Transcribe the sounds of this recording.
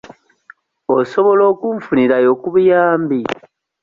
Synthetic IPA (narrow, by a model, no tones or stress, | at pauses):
oso̞βo̞lo̞ːkuɱfuniɾajokuβujaːmbi